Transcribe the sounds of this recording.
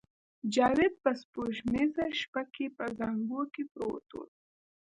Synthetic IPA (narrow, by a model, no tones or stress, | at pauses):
d͡ʒɑːwed̪̚pəspoʃmezaʃpakepəzaŋɡokepɾo̰t̪o̰ːd̪